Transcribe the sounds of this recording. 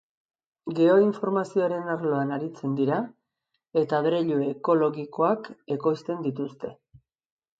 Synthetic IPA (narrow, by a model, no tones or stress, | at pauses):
ɡe̞o̞iɱfo̞ɾmasioaɾe̞naɾlo̞anaɾit͡se̞nd̪iɾa | e̞t̪aβɾeʎueko̞lo̞ɣiko̞ake̞ko̞jst̪e̞nd̪it̪ust̪e̞